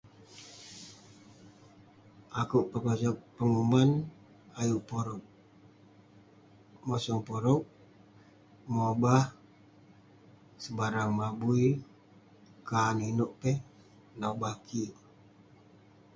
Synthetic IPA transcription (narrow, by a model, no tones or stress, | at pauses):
akuʔpəkɔsak̚pəŋuman | ajuʔpoɾɔk̚ | mosɔŋpoɾɔk̚ | mobah | səbaɾaŋmabui | kaninoʔpeh | naubakʰiʔ